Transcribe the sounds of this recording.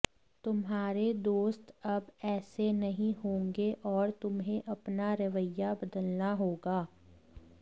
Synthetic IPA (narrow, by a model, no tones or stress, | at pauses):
t̪ʊmɦaːɾed̪oːst̪ɐbɛːsenɐɦĩɦõːŋɡeʔɔːɾt̪ʊmɦẽʔɐpnaɾɐʋəjabɐd̪əlnaɦoːɡaː